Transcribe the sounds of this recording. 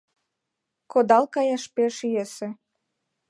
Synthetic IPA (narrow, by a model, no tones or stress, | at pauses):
kod̪ɑlkɑjɑʃpeʃyjesĕ